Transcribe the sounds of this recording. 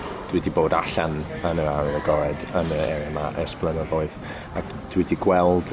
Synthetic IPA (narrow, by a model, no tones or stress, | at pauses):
d̥widiboːdaɬanənəaɾənəɡɔɾɛdənəɛɾɛmaʔəsplˠənɔðɔɨð | ak | d̥widiɡwɛlˠd̥